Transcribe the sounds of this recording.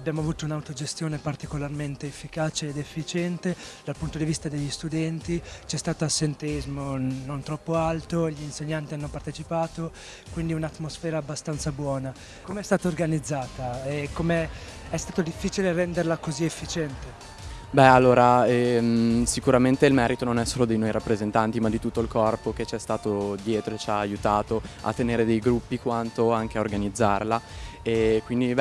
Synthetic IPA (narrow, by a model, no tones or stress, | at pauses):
abːjaːmoavuːt̪ounawt̪od͡ʒest̪joːnepart̪ikolarment̪eːfːikaːt͡ʃeːd̪efːit͡ʃɛnt̪ed̪alpunt̪od̪ivist̪ad̪eʎːist̪ud̪ɛnt̪it͡ʃɛst̪aːt̪oasːent̪eizmonont̪ɾɔpːoalt̪oʎiːnseɲːant̪ianːopart̪et͡ʃipaːt̪o | kwind̪iunat̪ːmosfɛːɾaːbːast̪ant̪sabwɔːna | komeɛst̪aːt̪aorɡanid̪zːaːt̪aɛkːomeɛst̪aːt̪od̪ifːiːt͡ʃilerɛnd̪erlakoziefːit͡ʃɛnt̪e | bɛalːoːɾaɛmsikuɾament̪eilmɛːɾit̪ononɛsːoːlod̪ejnojɾʔapːɾezent̪ant̪imad̪ːit̪ut̪ːoilkɔrpok̟et͡ʃɛst̪aːt̪od̪jeːt̪ɾoet͡ʃaːjut̪aːt̪oa̰t̪ːeneːɾed̪ejɡɾupːikwant̪oaŋk̟eaorɡanid̪zːarlaekwind̪i